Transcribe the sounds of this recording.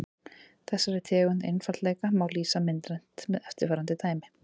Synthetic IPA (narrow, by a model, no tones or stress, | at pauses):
θɛsːaɾɪɾt̪ʰɛːɣʏnḛjnfaɾt̪lɛːjkamaːwliːsamɪnt̪ɾɛn̥t̪mɛðɛft̪ɪɾfaːɾant̪ɪt̪ʰaːjmɪ